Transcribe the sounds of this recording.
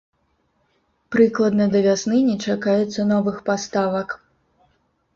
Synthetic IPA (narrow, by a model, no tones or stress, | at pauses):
pɾɨklˠɐd̪nɐd̪ɐvʲasnɨnʲɛt͡ʂakajɛt̪sːɐnɔvɨxpast̪avɐk